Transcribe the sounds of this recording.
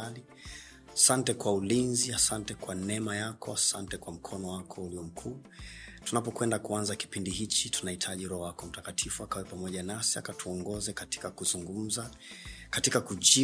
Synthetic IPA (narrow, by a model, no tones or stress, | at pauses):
ali | asantɛkwaulinziasantɛkwanɛmajakɔasantɛkwam̩kʰɔnɔwakʰɔuliɔm̩kʰuː | tunapɔkwɛndakuanzaki̥pindihit͡ʃitunahitʰaʄiɾɔɔwakɔm̩takatʰifuakawɛpamɔʄanasiakatʰuɔŋɡɔzɛkati̥kakuzuŋɡum̩za | katikakuʄi